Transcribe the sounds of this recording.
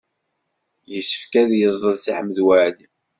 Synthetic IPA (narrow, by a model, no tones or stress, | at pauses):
jəsːə̥fkæðjəzˤːəðsiħəmːəðwaʕli